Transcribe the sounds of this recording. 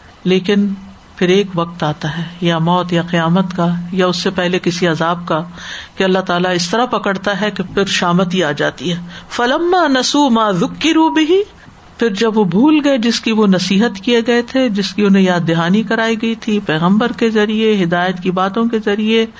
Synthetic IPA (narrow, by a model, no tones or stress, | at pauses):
leːkɪn | pʰɪɾeːkʋɐq̚t̪aːt̪aɦɛːjamɔːt̪jaqɪjaːmət̪kajaʊsːepɛɦlekɪsiɐzaːb̚kakeɐlːaɦt̪aːlaɪst̪ɐɾapɐkəɽt̪aɦɛkepʰɪɾʃaːmət̪iaːd͡ʒa̰ːt̪iɦɛːfɐlɐmːaːnɐsuːmaːðʊkːɪɾuːbɪɦi | pʰɪɾd͡ʒɐbʋobʱuːlɡɐed͡ʒɪskiʋonɐsiːɦət̪kieɡɐet̪ʰed͡ʒɪskiʊnɦẽjaːd̪eɦaːnikɐɾaːiɡɐit̪ʰipɛːɣə̃mbəɾkezɐɾieɦɪd̪aːjət̪kibaːt̪õkezɐɾie